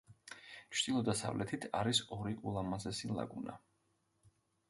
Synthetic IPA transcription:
t͡ʃʰd̪ilˠɔd̪asa̰vlʔɛt̪ʰit̪ʰaɾisɔɾiʔulˠamazɛsilˠa̰ɡuna

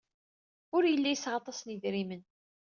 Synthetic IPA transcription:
ʊɾjəlːæjsːʁɑt̪ˤɑsniðɾimən

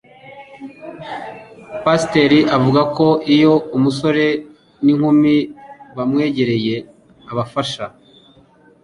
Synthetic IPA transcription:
paste̞ɾiʔavuɡako̞ʔijo̞umuso̞ɾe̞ | niŋ̥humiβamŋe̞ːɟe̞ɾe̞je̞ | aβafaʃa

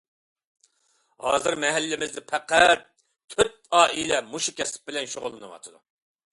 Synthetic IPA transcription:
hɑ̰ːzɨɾmɛɦælːɪmɪzd̪ɪpʰæqæt̪̚ | kʲʰøt̪̚ɑːʔilɛmuʃukʲʰɛsɪ̥p̚bɪlɛnʃoʁʊlˠːɨnɨ̰wɑ̰t̪ʰɨd̪u

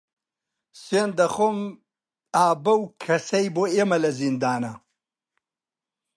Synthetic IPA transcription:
send̪ɐxom | aːbɐwkʰɐsɐjboemɐlɐzind̪aːnɐ

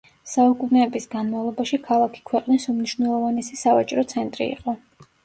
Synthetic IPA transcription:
saukʼunɛːbisɡanmavlˠɔbaʃikʰalˠakʰi̥kʰwɛqʼnisumniʃwvnɛlˠɔvanɛsisavat͡ʃʼɾɔt̪sʰɛnt̪ʼɾḭːqʼɔ

